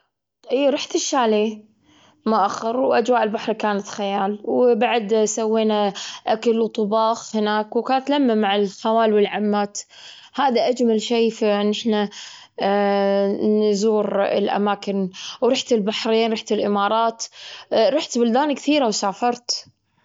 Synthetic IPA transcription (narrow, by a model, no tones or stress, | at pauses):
ʔiːɾˤɑħt̪ɪʃːaːliː | mʊʔaxːɑɾwʔad͡ʒwaːʔɪlbaħɾikaːnat̪xajaːlwbaʕd̪sawːeːnaʔakalwt̪ˤʊbɑːxhɪnaːkwkaːnt̪lamːamaʕɪlxawaːlwɪlʕamːaːt̪ | haːðaʔad͡ʒmalʃeːfiʔɪnːʔɪħna | nzuːɾɪ̰lʔa̰maːkɪnwɾˤɑːħt̪ɪlbaħɾiːnɾɑħt̪ɪlʔɪmɑːɾˤɑːt̪ɾˤɑːħt̪bʊld̪aːnkθiːɾawsaːfɑɾˤt̪